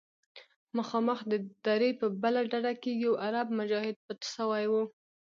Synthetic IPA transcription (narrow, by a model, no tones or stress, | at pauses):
maxɑməxd̪əd̪̥aɾepəbəlaɖaɽakeɡiawʔaɾab̚mʊd͡ʒɑhɪd̪̚pət̪ʃəwajwu